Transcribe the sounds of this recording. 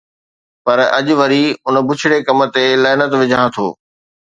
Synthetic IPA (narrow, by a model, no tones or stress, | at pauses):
pɐɾɐ̰ʄʊʋɐɾiʊn̆bʊt͡ɕʰɪɽekɐmə̆t̪elaːɪnət̪ʋɪd͡ʑʱãt̪ʰo̰ː